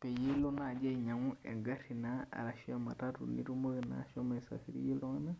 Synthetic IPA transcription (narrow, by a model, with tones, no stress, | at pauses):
pɛ˨je˦lo˦na˨d͡ʒɛ˦˨ɲa˨ŋu˦ɛ̰˨ŋɡa˦ɾi˨naa̰˨ɾa˨ʃi˦a˦ma˨ta˦tṵ˨nḭ˦ɾu˦mo˦ɣina̰ʃɔ˦ma˨i˨sa̰˨fi˦ɾḭ˦je˦lo˦ŋa˦na˦